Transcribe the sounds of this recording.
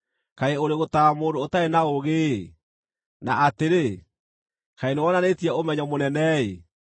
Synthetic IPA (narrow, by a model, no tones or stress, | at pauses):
kaeoɾeɣotamoːndoːtaenaoɣeː | na̰ateɾe | kaenewɔnanetiɛomɛɲɔmonɛnɛe